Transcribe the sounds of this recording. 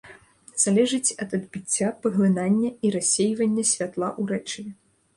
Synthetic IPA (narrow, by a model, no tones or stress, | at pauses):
z̥alʲɛʐɨt͡sʲɐd̪ɐd̪bʲit͡sʲːapɐɣlʲˠɨnanʲːɐiɾasʲːejvɐnʲːɐsʲvʲat̪lˠaʔuɾɛt͡ʂɨvʲɛ